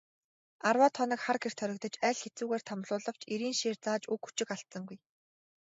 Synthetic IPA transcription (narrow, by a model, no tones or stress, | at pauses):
arwaːt̪ʰɔnə̆kχarɡer̥t̪ʰœɾʲɪ̆k̚t̪ɞ̆t͡ɕæːɮxet͡suːɣeːr̥t̪ʰamɮʊːɮə̆w̥t͡ɕʰeɾiːnʃeːrt͡saːt͡ɕukxu̥t͡ɕɪ̆kaɬsə̆ŋɡuj